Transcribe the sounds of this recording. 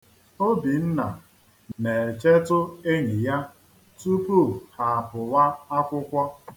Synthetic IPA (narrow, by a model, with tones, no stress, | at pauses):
o˦bi˨n̩˦na̰˨ | ne˨e˨t͡ʃe˦tʊ˦e˦ɲi˨ja˦ | tu˦pu˦˨ha˨pʊ˨wa˦a˦kʷʊ˦kʷɔ˦